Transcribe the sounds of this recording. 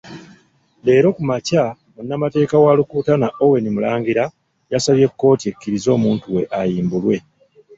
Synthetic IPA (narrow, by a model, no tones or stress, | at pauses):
le̞ːɾo̞kumaca | monːamate̞ːkawaːlukuːtanaʔo̞we̞nimulaːŋɡiɾa | jasaβje̞kːo̞ːtie̞kːiɾizo̞ːmuːntuwe̞ʔajiːmbulwe̞